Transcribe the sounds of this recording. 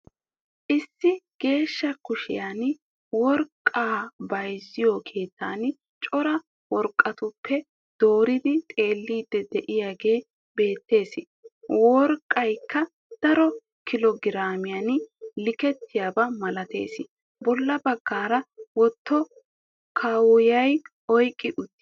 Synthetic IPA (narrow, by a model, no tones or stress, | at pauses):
ʔɪsːɪɡ̥e̞ːʃːɐkʊʃɪ̰jan | wɔɾkʼːaːbɐjzːɪjɔkʰe̞ːt̪ʰːaːn | t͡ʃʼɔɾɐ | wɔɾkʼːɐt̪ʊpʰːɛ | d̪̥oːɾɪd̪ɪt̪ʼe̞ːlːiːd̪ːɛd̪ɛʔɪjaːɡe̞ː | be̞ːt̪ːe̞ːsɪ | wɔɾkʼːɐjkʰːɐ | d̪̥ɐɾɔ | kɪlɔɡɪɾaːmɪjanlɪkɛt̪ːɪjaːbɐmɐlɐt̪e̞̰ːsɪ | bɔlːɐbɐɡːaːɾɐwɔt̪ːɔ | kʰɐwʊjɐj | ɔjkʼːɪʔʊt̪ːɪ